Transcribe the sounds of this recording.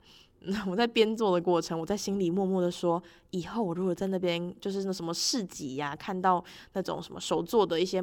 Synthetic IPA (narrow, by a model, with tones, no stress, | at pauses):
n̩˥˨˩wɔ˨˩t͡sa˥˩ɪpjɛ˥nt͡swɔ˥˩d̪ə˩kwɔ˥˩ʈ͡ʂʰə˧˦ŋwɔ˨˩t͡sa˥˩ɪɕi˦nli˨˩mwɔ˥˧mwɔ˥˩d̪ə˩ʂwɔ˥ | i˨˩xo˥˩ʊwɔ˨˩ɻu˧˥xwɔ˨˩t͡sa˥˧ɪna˥˩pjɛ˦nt͡ɕjo˥˧ʊʂɻ̩˥˧na˥˩ʂə˧˦nmə˧ʂɻ̩˥˩t͡ɕi˨˥a˦kʰa˥˧nt̪ɑ˥˧ʊna˥˩ʈ͡ʂo̰˨˩ŋʂə˧˦˥mə̰˧ʂo˨˩ʊt͡swɔ˥˩d̪ə˩i˥˩ɕjɛ˦˥